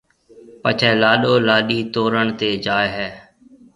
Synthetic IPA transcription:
pət͡ʃʰɛːlaːɗoːlaːɗiːt̪oːɾəɳt̪eːd͡ʒaːjɦɛː

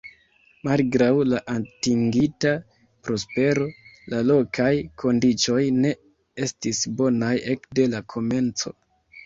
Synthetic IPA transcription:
malɡɾawlaʔatiŋɡita | pɾo̞spe̞ɾo̞lalo̞kʰajkʰo̞ndit͡ʃo̞jne̞ | e̞stisbo̞naje̞kde̞lakʰo̞me̞nt͡so̞̰

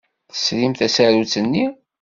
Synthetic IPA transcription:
θə̥slimθæsæɾut͡sːənːi

